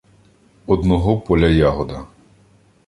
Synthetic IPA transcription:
ɔd̪nɔɦɔpɔlʲɐjaɦɔd̪ɐ

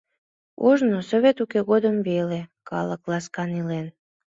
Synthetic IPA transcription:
o̰ʒnosoβʲet̪ukeɣod̪əmvelekɑləklɑskɑnilen

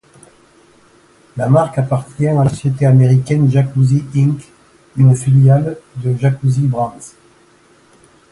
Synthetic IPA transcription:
lamaʁkapaʁt̪jɛ̃alasɔsjet̪eameʁikʲɛnʒakuziĩŋk | ynəfiljald̪əʒakuzibʁɑ̃t̪

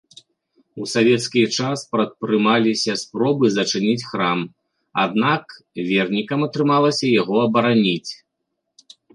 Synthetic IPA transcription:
usavʲɛt̪skʲit͡ʂaspɾɐt̪̚pɾɨmalʲisʲɐspɾɔbɨzɐt͡ʂɨnʲit͡sʲxɾam | a̰d̪nak | vʲɛrnʲikɐmɐt̪ɾɨmalˠɐsʲɐjaɣɔɐbɐɾanʲit͡sʲ

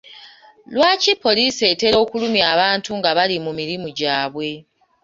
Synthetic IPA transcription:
lwaːcipːo̞liːse̞te̞ɾo̞ːkulumjaːβaːntuŋɡaβalimumiɾimuɟaːβwe̞

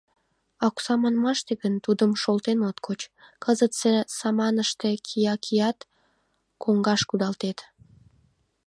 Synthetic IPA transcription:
ɑksɑmɑnmɑʃt̪eɣənt̪ud̪əmʃolt̪enot̪kʰot͡ɕkəzət̪sesɑmɑnəʃt̪ekʰijɑkʰijɑt̪ | koŋɡɑʃkud̪ɑlt̪et̪

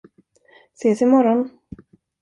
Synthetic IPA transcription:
seːsɪmɔɾɔn

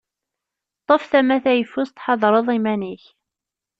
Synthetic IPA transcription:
t̪ˤːəfθæmæθæjəfʊst̪ħɑðˤɾˤəðˤimæniç

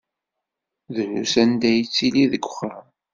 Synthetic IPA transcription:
ðənṵsænd̪æjət͡sːiliðəɡʷə̥χam

